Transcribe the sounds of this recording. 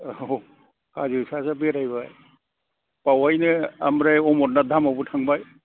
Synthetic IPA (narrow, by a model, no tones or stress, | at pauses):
o | kazisasabeɾajbaj | pawajnɯamɾajɔmɔtnadʱamabutʰaŋbaj